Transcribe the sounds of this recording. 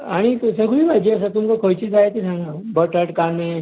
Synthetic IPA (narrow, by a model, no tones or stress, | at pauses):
aɽ̃it̪usəɡʋiːbʱajd͡ʑeəsət̪umkəkʰojt͡ɕiːd͡zaet̪id͡zʱãŋɡəbəʈəʈkame